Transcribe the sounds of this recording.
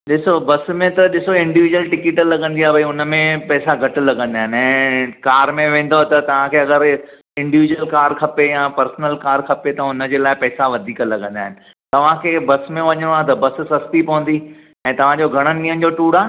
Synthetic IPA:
ɗɪsobɐs̆mẽt̪ɐɗɪsoɪ̃ɳɖiʋid͡ʑuwəlʈɪkɪʈlɐɠə̃nd̪iaːbʱɐiʊnəmẽpɛːsaɡʱɐʈ̆lɐɡə̃nd̪aːɦɪnɪɛ̃ːkaːɾmẽʋẽːn̆d̪ot̪ɐt̪ɐʋ̤ãkʰeːɐɡəɾ | ɪ̃ɳɖiʋid͡ʑuwəlkaːɾkʰɐpejãːpɐɾsnəlkaːɾkʰɐpet̪ɐʊnə̆d͡ʑeːlaːɪpɛːsaʋɐd̪ʱiːkəlɐɠə̃nd̪aːɦɪnɪ̆ | t̪ɐʋ̤ãkʰeːbɐsmẽʋɐɲəɽ̃oaːt̪̬ɐbɐs̆sɐst̪ipɐʋə̃nd̪i | ɛ̃ːt̪ɐʋ̤ãd͡ʑoːɡʱɐɽ̃ənɪ̆ĩːənɪ̆d͡ʑoːʈuːɽaː

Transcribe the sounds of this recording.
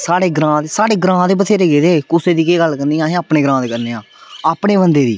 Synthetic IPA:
saːɽeːɡɾãːd̪eːsaːɽeːɡɾãːd̪eːbət̪ʰeːɾeːɡeːd̪eːkʊseːd̪iːkeːɡəlkəɾniːãːɦẽaːpɳẽːɡɾãːd̪eːkəɾneːãː | aːpɳeːbənd̪eːd̪ḭː

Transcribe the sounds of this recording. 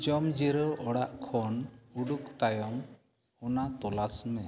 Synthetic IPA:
d͡ʒɔmd͡ʒiɾɔʔɔɽaʔkʰɔnuɖukt̪ajɔŋ | ɔnat̪ɔlasmɛ

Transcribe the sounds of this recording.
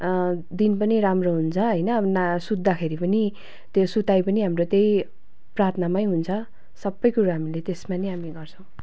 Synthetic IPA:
d̪inpʌniɾamroɦunt͡sʰʌɦʌjnʌnasud̪ːakʰeɾipʌni | t̪josut̪ajpʌniɦamrot̪ej | prat̪ʰnamajɦunt͡sʰʌ | sʌbːʌjkuɾaɦamilet̪esmaneɦamiɡʌrt͡sʰʌ̃w̃

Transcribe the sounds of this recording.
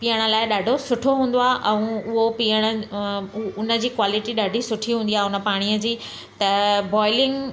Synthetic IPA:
piːəɽ̃ə̆laːɪɗaːɖʱosʊʈʰoɦũːn̆d̪oaːɦʔɛ̃ũʊɦopijəɽ̃ə | ʊnə̆d͡ʑiːkwaːlɪʈiɗaːɖʱisʊʈʰiɦũːnd̪iaːɦeʊnə̆paːɽ̃ijəd͡ʑiː | t̪ɐbɔːɪlɪ̃ŋɡ

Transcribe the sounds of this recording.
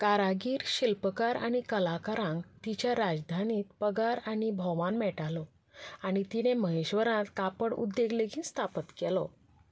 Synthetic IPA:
kaɾaɡiːɾɕilpəkaɾa̰ɽ̃ikəlakaɾãŋɡt̪it͡ɕjaɾad͡zd̪ʱaniːt̪̚pəɡaɾaɽibʱɔʋanmɛʈalɔ | aɽ̃it̪ineməɦeɕʋəɾãt̪kapəɽṵd̪ːeɡleɡĩːnst̪ʰapət̪kɛlɔ

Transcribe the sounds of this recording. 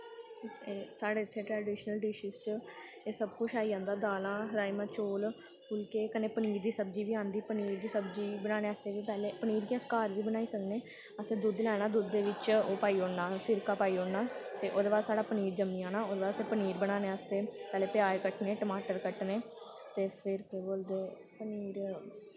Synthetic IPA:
esaːɽeːɪt̪ʰːeːʈɾɛːɖiːʃnəlɖɪʃiːst͡ʃə | eːsəbkʊt͡ʃʰaːiːãːnd̪aːd̪aːlãːɦəɾaːiːmãːt͡ʃoːl | pʰʊlkeːkəneːpəniːɾd̪iːsəbd͡ʒiːʋiːãːnd̪iːpəniːɾd̪iːsəbd͡ʒiːbənaːneːəst̪eːʋiːpɛːleːpəniːɾkɛ̃skaːɾʋiːbənaːiːsəkneː | əsẽːd̪ʊd̪lɛːɽ̃aːd̪ʊd̪ːeːʋɪt͡ʃoːpaːiːoːɽnaːsɪɾkaːpaːiːoːnaːt̪eːʔoːd̪eːbaːɾsaːɽaːpəniːɾd͡ʒəmiːãːnaːoːd̪eːbaːɾəseːpəniːɾbəɽaːneːəst̪eːpɛːleːpɪjaːekəʈneːʈəmaːʈəɾkəʈneː | t̪eːpʰɪɾkeboːld̪eːpəniːɾ

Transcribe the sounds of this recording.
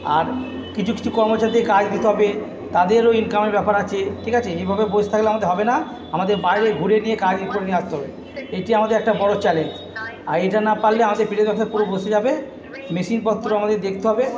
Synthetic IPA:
a̰ɾ | kit͡ɕʰukːit͡ɕʰukɔɾmot͡ɕaɾit̪kad͡ʑd̪it̪eɦɔbe | t̪ad̪eɾoinkameɾbɛpaɾat͡ɕʰeʈʰikat͡ɕʰeejbʱabebod͡ʑʱt̪ʰakleoamad̪eɾɦɔbena | amad̪eɾbajɾeɡʱuɾenijekad͡ʑikoɾenieast̪eɦɔbe | eʈiamad̪eɾɛk̚ʈabɔɽot͡ɕɛlend͡ʑ | aɾejʈanapaɾlːeamad̪eɾfiɾed̪bɛktʰaɾpuɾobʱosed͡ʑabe | meʃinpɔt̪ːɾoamad̪eɾd̪ek̚ʰt̪eɦɔbe

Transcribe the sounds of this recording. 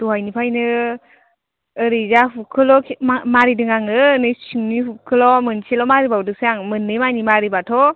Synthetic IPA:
dɔɦajnipʰajnɯ | ɯɾɯzahukʰɯlɔkʰmaɾidɯŋaŋɯnɯsiŋnihukʰɯlɔmɯnselɔmaɾibawdɯsaŋmɯnːɯjmanimaɾibatʰɔ

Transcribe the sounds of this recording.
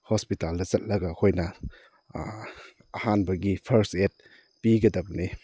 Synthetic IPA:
hospitaldɐzɐt̚lɐɡɐkʰojnɐ | ɐhanbɐɡipʰɐɾset̚ | piɡɐdɐb̚ni

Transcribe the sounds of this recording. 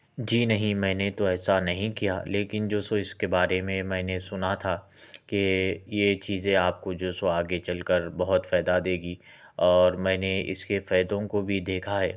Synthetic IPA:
d͡ʒiːnɐɦĩmɛ̃ːnet̪oɛːsanɐɦĩkija̰leːkɪnd͡ʒoːsoɪskebaːɾemẽmɛ̃ːnesʊnat̪ʰa | kejet͡ʃiːzẽaːp̚kod͡ʒoːsoaːɡet͡ʃɐlkəɾbɐɦʊt̪fɛːd̪ad̪eːɡi | ɔːɾmɛ̃ːneɪ̰skefɛːd̪õkobʱid̪eːkʰaɦɛ̰ː

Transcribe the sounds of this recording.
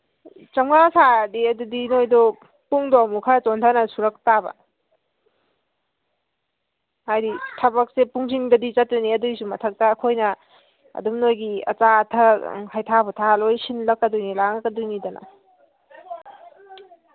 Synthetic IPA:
t͡ʃɐmɡasadiɐdudinojdɔ | puŋdɔmukʰat͡ʃontʰanɐsuɾɐk̚tabɐ̰ | hajditʰɐbɐk̚sepuŋsiŋdɐdit͡ʃɐtːɐniɐdujsumɐtʰɐk̚taːkʰojnɐ | ɐ̰dumnojɡiɐ̰t͡ʃatʰɐhajtʰabɔtʰalojsinlɐkːɐdujnilaŋkːɐdujnidɐnɐ̰

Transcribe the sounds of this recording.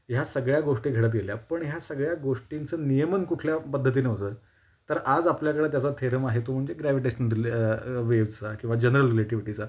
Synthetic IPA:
jasəɡɭjaɡoʂʈiːɡʱeɽət̪̬ɡeljapəɳɦjasəɡɭjaɡoʂʈint͡səːnijəmənkuʈʰljapəd̪ʱːət̪̬iːneɦt̪əː | t̪əɾad͡zapljakəɽəːt̪̬jat͡sat̪ʰeɾəmaɦet̪om̤əɳd͡zeɡɾaʋiʈeɕənɾiʋeʋt͡sakĩw̃ʋad͡ʑənəɾəlɾileʈiʋiʈit͡sa

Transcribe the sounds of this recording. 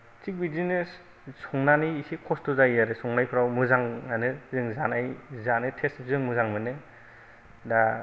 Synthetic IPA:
t͡ʃik̚bidinɯ | sɔŋnaniːsikʰɔstuzaijaɾɯsɔŋnajpʰɯɾawmɯzaŋanɯzɯŋzanajzanɯtʰesbzɯŋmɯzaŋmɯnɯ | da

